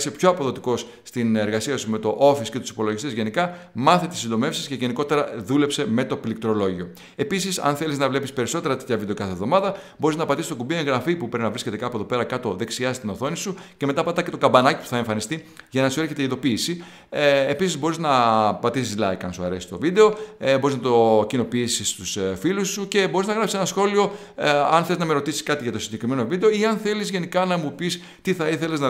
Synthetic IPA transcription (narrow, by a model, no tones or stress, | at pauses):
sepço̞ɐpo̞ðo̞t̪iko̞s | st̪ineɾɣɐsiɐsume̞t̪o̞ʔo̞fisce̞t̪u̥si̥po̞lo̞ʝist̪ezʝe̞nikɐ | mɐθet̪isind̪o̞me̞fsi̥sce̞ʝe̞niko̞t̪e̞ɾɐðule̞pse̞me̞t̪o̞pilik̚t̪ɾo̞lo̞ʝio̞ | e̞pisisɐ̰nθe̞liznɐvlepispe̞ɾiso̞t̪e̞ɾɐt̪et̪çɐvid̪okɐθevðo̞mɐðɐ | bo̞ɾiznɐpɐt̪isist̪o̞kubieŋɣɾɐfipupeinɐvɾisce̞t̪ekɐpue̞ðo̞pe̞ɾɐkɐt̪o̞ðe̞ksiɐst̪inoθo̞nisuce̞me̞t̪ɐpɐt̪ɐcet̪o̞kɐbɐnɐci̥pu̥θɐeɱfɐnist̪iʝɐnɐsueɾçe̞t̪eiðo̞piːsiː | pisizbo̞ɾiznɐpɐt̪isizlɐ̰ikɐ̰nsuɐ̰ɾe̞si̥t̪o̞̰vid̪e̞o̞bo̞ɾiznɐt̪o̞cino̞piisist̪usfilusːuce̞bo̞ɾiznɐɣɾɐpsisenɐsxo̞lio̞ | ɐ̰nθeeznɐmeɾo̞t̪isiskɐt̪iʝɐt̪o̞siɲɟekɾime̞no̞vid̪eoiɐnθe̞lizʝe̞nikɐnɐmupis | t̪iθɐiθe̞le̞znɐ